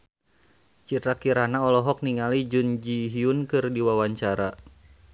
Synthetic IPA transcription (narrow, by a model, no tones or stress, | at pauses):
t͡ʃit̪ɾakiɾanaɔlɔɦɔk̚niŋalid͡ʒund͡ʒiɦiunkɨrdiwawaɲt͡ʃaɾa